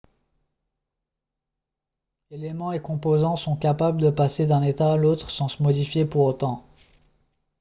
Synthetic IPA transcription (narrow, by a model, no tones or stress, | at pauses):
elemɑ̃ekɔ̃pozɑ̃sɔ̃kapabld̪əpased̪ɛ̃net̪aːlot̪χsɑ̃səmɔd̪ifjepuʁot̪ɑ̃